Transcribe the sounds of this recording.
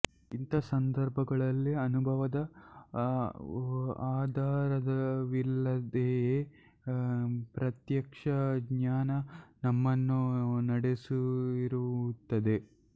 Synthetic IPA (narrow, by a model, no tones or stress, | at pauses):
int̪ɐsɐnd̪ɐɾbʱɐɡɐɭɐlːiɐnubʱɐʋɐd̪ɐ | aːd̪ʱaːɾɐd̪ɐʋilːɐd̪e | pɾɐt̪jɐkʂɐɡɲaːnɐnɐmːɐnːunɐɽesuiɾut̪ːɐd̪e̞